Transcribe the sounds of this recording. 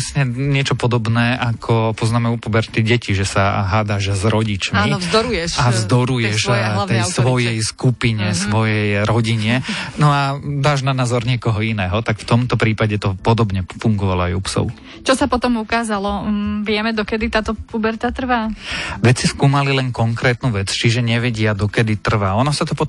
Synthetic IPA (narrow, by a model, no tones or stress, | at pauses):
sɲɛɲɪɛt͡ʃɔpɔd̪ɔbnɛːʔakʰɔpɔznaːmɛupubɛɾt̪iɟɛciʒɛsa̰ɦaːd̪aʒzɾɔɟit͡ʃmizd̪ɔɾujɛʃavzd̪ɔɾujɛʃt̪ɛjsʋɔjɛjskupiɲɛsʋɔjɛjɾɔɟiɲɛnɔad̪aːʒnanaːzɔɾɲɪɛkɔɦɔinɛːɦɔt̪akft̪ɔmt̪ɔpɾiːpaɟɛt̪ɔpɔd̪ɔbɲɛfuŋɡɔʋalɔajupsɔ̰ʊ | t͡ʃɔsapɔt̪ɔmukaːzalɔʋɪɛmɛd̪ɔkɛd̪it̪aːt̪ɔpubɛɾt̪at̪r̩ʋaːʋɛt͡siskuːmalilɛnkɔŋkɾɛːt̪nuːʋɛt͡st͡ʃiʒɛɲɛʋɛɟɪad̪ɔkɛd̪it̪r̩ʋaːɔnɔsat̪ɔpɔ